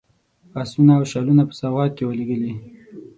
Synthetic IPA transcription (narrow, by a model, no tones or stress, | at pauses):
asunaːwʃalunapə̥sɑwʁɑt̪̚kewəleɡəli